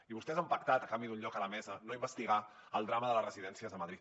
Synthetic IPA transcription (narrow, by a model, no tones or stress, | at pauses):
iβust̪ɛezəmpək̚t̪at̪əkambiðuɲʎɔkələmɛzənoimbəst̪iɣa | əlˠd̪ɾaməðələsrəziðɛnsiəzðəməðɾit̪